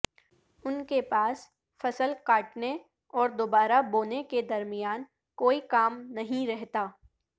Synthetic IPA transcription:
ʊnkepaːs | fɐsəlkaːʈne | ɔːɾd̪oːbaːɾaboːneked̪ɐɾmɪjaːn | koːikaːmnɐɦĩɾɛɦt̪aː

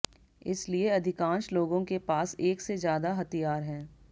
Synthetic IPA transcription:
ɪ̰slieɐd̪ʱɪkãːnʃloːɡõkepaːseːksezjaːd̪aɦɐt̪ijaːɾɦɛ̃ː

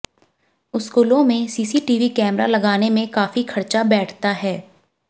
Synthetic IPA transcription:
ʊskuːlõmẽsiːsiʈiːʋikɛːmɾa̰lɐɡaːnemẽkaːfikʰɐɾt͡ʃabɛːʈʰt̪aɦɛː

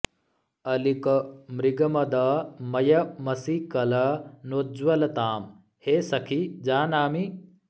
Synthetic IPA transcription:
ɐlikɐmɾiɡɐmɐd̪amɐjɐmɐsikɐlɐnoːd͡ʒʋɐlɐt̪aːm | heːsɐkʰid͡ʒaːnaːmi

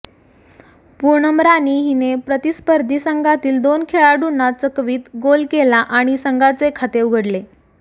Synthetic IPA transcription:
puɾɳəmɾaniːɦinepɾət̪ispəɾd̪ʱisəŋɡat̪iːld̪onkʰeɭaɖunːat͡səkʋiːt̪ɡolkelaʔaɽ̃isəŋɡat͡sekʰat̪euɡʱəɽle

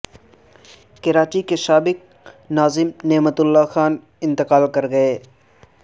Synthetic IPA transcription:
kɐɾaːt͡ʃikeʃaːbɪk̚ | naːzɪmneːmət̪ʊlːaxaːn | ɪ̃nt̪ɪqaːlkɐɾɡɐeː

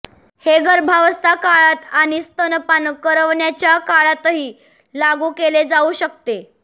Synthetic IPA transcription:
heɡʱəɾbʱaʋəst̪akaɭat̪aɽ̃ist̪ənpanəkəɾəʋɳjat͡ɕjakaɭat̪ɦiː | laɡuːkeled͡zauɕək̚t̪e

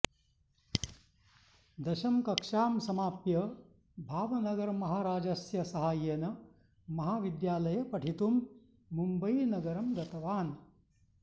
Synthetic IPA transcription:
d̪ɐʃɐmkɐkʂaːmsɐmaːpjɐ | bʱaːʋɐnɐɡɐɾmɐɦaːɾaːd͡ʒɐsjɐsɐɦaːjeːnɐ | mɐɦaːʋid̪jaːlɐjɐpɐʈʰit̪umː | umbɐjinɐɡɐɾɐmd̪ɐt̪ɐʋaːn

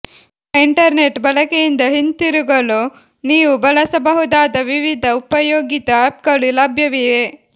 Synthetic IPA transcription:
iɳʈɐɾneʈbɐlɐkejind̪ɐɦint̪iɾuɡɐlo | niːʋubɐlɐsɐbɐɦud̪aːd̪ɐʋiʋid̪ʱɐupɐjoːɡit̪ɐap̚ɡɐɭulɐbʱjɐʋije

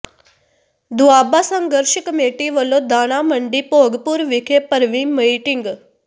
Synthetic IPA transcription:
d̪ʊaːbaːsə̃ŋɡəɾʃəkəmeːʈiːʋəlõːd̪aːɽ̃aːməɳɖiːpoːɡpuɾʋɪkʰepəɾʋĩːməiːʈɪŋɡ

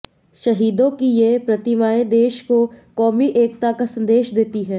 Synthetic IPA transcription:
ʃɐɦiːd̪õkijepɾɐt̪ɪmaːed̪eːʃkokɔːmiʔeːkt̪akasɐ̃nd̪eːʃd̪eːt̪iɦɛ̃ː

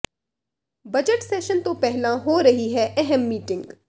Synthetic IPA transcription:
bɐd͡ʒəʈseːʃənt̪opɛɦlãɦoːɾɐɦiɦɛʔɛɦɛmːiːʈɪ̃ŋɡ

